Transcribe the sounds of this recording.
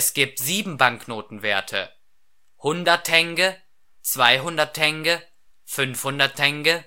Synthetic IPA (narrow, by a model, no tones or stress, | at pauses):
sɡ̥iːp̚tz̥iːbm̩baŋknoːtn̩veːɐtʰə̰ | hʊndɐtʰːɛŋɡə | t͡sv̥aɪɦʊndɐtʰɛŋɡə | fʏnfhʊndɐtʰːɛŋɡə